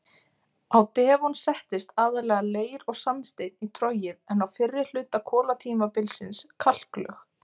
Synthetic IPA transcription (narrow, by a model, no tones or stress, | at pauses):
awt̪ɛːvunsɛht̪ɪst̪aːðaɾlɛɣaleːjɾɔɣsanːst̪eːjt̪nit̪ʰɾɔjɪðɛnawfɪrːɪl̥ʏːt̪akʰɔːlat̪ʰiːmapɪlsɪnskʰal̥klœ̰x